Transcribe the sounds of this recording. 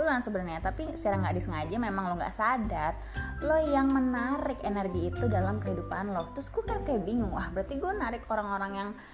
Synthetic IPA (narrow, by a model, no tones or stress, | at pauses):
ulansəbənarɲat̪apisə̥t͡ʃaɾaŋɡaʔdisəŋad͡ʒamemaŋloŋɡa̰ʔsadar | lojaŋmənaɾɪkenɛrɡiːt̪udalamkəɦidupanlɔt̪ɾʊsɡuakankajabiŋʊŋwahbəɾart̪iɡuanaɾɪkoɾaŋoɾaŋjaŋ